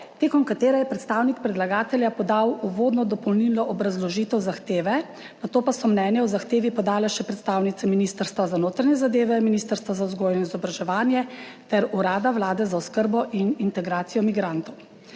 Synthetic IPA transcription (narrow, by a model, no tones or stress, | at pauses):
t̪eːkɔnkat̪eːɾɛjɛpɾɛt̪st̪aːwnik̚pɾɛd̪laɡaːt̪ɛljapɔd̪awuʋoːd̪nɔd̪ɔpɔwnilɔʔɔbɾazlɔʒiːt̪ɛwzaxt̪eːʋɛ | nat̪oːpasɔmnɛːnjɛwzaxt̪eːʋipɔd̪aːlɛʃɛpɾɛt̪st̪aːwnit̪sɛminist̪əɾst̪ʋazanoːt̪ɾanjɛzad̪eːʋɛminiːst̪əɾst̪ʋazauzɡoːjnɔizɔbɾaʒɛʋaːnjɛt̪ɛɾuɾaːd̪awlaːd̪ɛzauskəɾbɔʔinint̪ɛɡɾaːt̪sijɔmiɡɾant̪ɔw